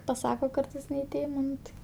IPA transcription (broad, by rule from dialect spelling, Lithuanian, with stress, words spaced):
pɐˈsɑːkoː ˈkɐrtɐɪs nʲɛ ɪ ˈtʲeːmoː ˈnʊ tɐɪ